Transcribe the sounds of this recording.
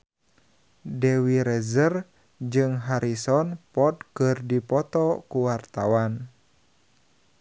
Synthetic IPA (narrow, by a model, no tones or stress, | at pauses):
dɛwiɾɛzər | d͡ʒɨŋɦaɾʔisɔnpɔt̪̚kɨrdipɔt̪ɔkuwart̪awan